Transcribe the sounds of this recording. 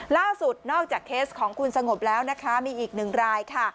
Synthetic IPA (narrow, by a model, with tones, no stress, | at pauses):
laː˥˩su˨˩t̪̚nɔː˥˩k̚t͡ɕaː˨˩kʰːeː˦˥skʰɔː˩˦ŋkʰu˧nsa˧ŋo˨˩p̚lɛː˦˥wna˦˥kʰa˦˥miː˧ʔiː˨˩k̚nɯ˨˩ŋɾaː˧jkʰa˥˩